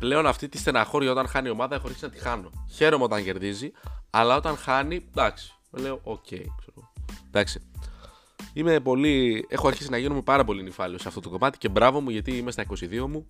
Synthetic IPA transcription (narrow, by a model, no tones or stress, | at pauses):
ple̞o̞nɐft̪it̪ist̪e̞nɐxo̞ɾʝɐo̞t̪ɐnxɐnio̞mɐðɐe̞xoɐɾçi̥sinɐt̪i̥xɐno̞çe̞ɾo̞meo̞t̪ɐɲɟe̞ɾðiziɐlɐo̞t̪ɐnxɐnid̪ɐksi̥meleoʔocʰe̞̰jkseɾoɣod̪̥ɐksi̥ | ime̞po̞lie̞xoɐɾçisinɐʝinomepɐɾɐpo̞linifɐlio̞seɐft̪o̞t̪oko̞mɐt̪i̥ce̞bɾɐvo̞muʝɐt̪iimest̪ɐiko̞siðio̞mu